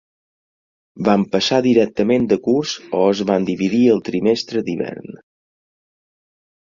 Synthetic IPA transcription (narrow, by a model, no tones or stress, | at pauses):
bampəsaðiɾɛk̚t̪əmend̪əkuɾzɔəzβand̪iβiðiəlˠt̪ɾimest̪ɾəd̪iβɛ̰ɾn